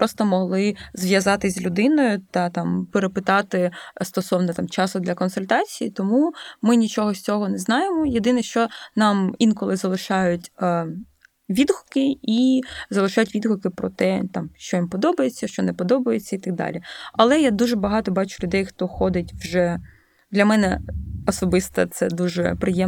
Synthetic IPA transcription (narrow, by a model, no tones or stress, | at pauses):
pɾʔɔst̪ɔmɔɦlˠɪzʋʲjɐzɑt̪ɪzʲlʲʊd̪ɪnɔjʊt̪ɐt̪ɑmpeɾepɪt̪ɑt̪ɪst̪ɔsɔwnɔt̪ɑmt͡ʃɑsʊd̪lʲɐkɔnsʊlʲt̪ɑt͡sʲijit̪ɔmumɪnʲit͡ʃɔɦɔsʲt͡sʲɔɦɔnɛznɑjemɔjed̪ɪnɪʃt͡ʃɔnɑminkɔlˠɪzɐlˠɪʃɑjʊtʲ | ʋʲid̪ɦʊkɪizɐlˠɪʃɑjʊtʲʋʲid̪ɦʊkɪpɾɔt̪ɛt̪ɑmʃt͡ʃɔimpɔd̪ɔbɐjet͡sʲːɐʃt͡ʃɔnɛpɔd̪ɔbɐjet͡sʲːɐit̪ɐk̚d̪ɑ̰lʲiɐlˠɛjad̪uʒɛbɐɦɑt̪ɔbɑt͡ʃʊ̥lʲʊd̪ɛjxt̪ɔxɔd̪ɪtʲwʒɛ | d̪lʲɐmɛnɛɔsɔbɪst̪ɐ̰t̪sɛd̪uʒɛ̰pɾɪjɛ